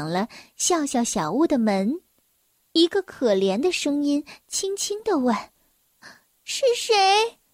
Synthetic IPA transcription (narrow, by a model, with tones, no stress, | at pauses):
ŋlə˦ɕjɑ˥˧ʊɕjɑ˥˩ʊɕjɑ˨˩ʊu˥˩d̪ə˩mə˧˥n | i˧˥ɡə˧kʰɤ˨˩ljɛ˧˥nd̪ə˧ʂɤ˥ŋi˥nt͡ɕʰi˥ŋt͡ɕʰi˥ŋd̪ə˨wa˥˩n | ʂɻ̩˥˩ʂe˧˥ɪ